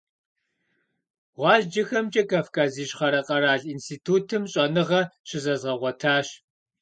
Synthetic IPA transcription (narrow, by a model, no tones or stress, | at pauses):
ʁʷɑːɮd͡ʒɐxɐmt͡ʃʼɐkʰaːfkʰaːziːɕχɐɾɐqʼɐɾaːɮiːnstʰiːtʰuːtʰɨmɕʼɐnɨʁɐɕʰɪzɐzʁɐʁʷɔtʰaːɕ